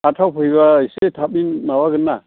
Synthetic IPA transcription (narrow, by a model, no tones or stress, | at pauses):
atʰawpʰɯjbaisetʰap̚inmabaɡɯnːa